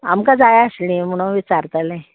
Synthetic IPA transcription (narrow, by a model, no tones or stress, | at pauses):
a̰mkad͡zajaəslĩm̤uɽ̃oʋit͡saɾt̪alẽ